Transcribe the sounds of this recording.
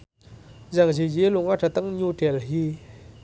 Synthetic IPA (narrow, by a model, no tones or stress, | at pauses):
ʑaŋʑiʑeloŋaʈ͡ʂʰat̪aŋɲuʈ͡ʂɛlɦi